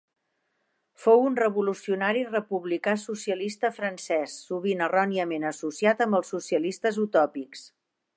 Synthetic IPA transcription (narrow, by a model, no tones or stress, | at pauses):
fowunrəβulusiunaɾirəpuβlikasusiəlist̪əfɾənsɛsːuβinərɔniəmenəsusiat̪əmbəlˠsːusiəlist̪əzut̪ɔpiks